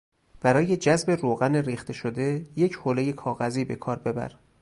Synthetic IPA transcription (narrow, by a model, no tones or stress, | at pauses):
b̥æɾɒːje̞d͡ʒæzbe̞roːɣæneɾiːxt̪ʰe̞ʃod̪e̞je̞cʰhoːleje̞kʰɒːɣæziːbe̞kʰɒːɾbe̞bæ̰ɾ